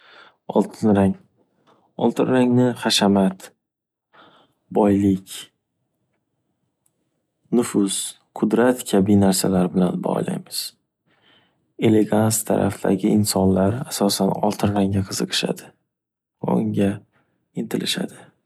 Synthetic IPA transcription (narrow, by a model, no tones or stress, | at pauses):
ɒlˠt̪ʰɪnɾaŋ | ɒlˠt̪ʰɪnɾaŋnɪχaʃamat̪ | bɒjlɪkʲ | nʊfʊz̥ | qʰʊd̪ɾat̪kʲʰabijnaɾsalaɾbɪlanbɒ̰la̰jmɪz̥ | e̞le̞ɡanst̪ʰa̰ɾʔa̰fd̪a̰ɡʲɪɪnsɒnlaɾasɒsanɒ̰lˠt̪ʰɪnɾaŋaqʰɨzɨqʰɨ̥ʃa̰d̪ɪ | ʊŋɡʲa | ɪnt̪ʰɪlɪʃa̰d̪ɪ